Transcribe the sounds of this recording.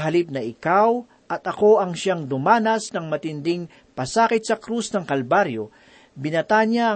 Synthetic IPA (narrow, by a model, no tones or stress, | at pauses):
ɦɐlip̚nɐʔɪkaw | ʔɐt̪ɐko̞ʔɐŋʃaŋd̪ʊmaːnɐsnɐŋmɐt̪ɪnd̪ɪŋ | pɐsaːkɪt̪̚sɐkɾusnɐŋkɐlbaɾjo | bɪnɐt̪aɲaʔɐ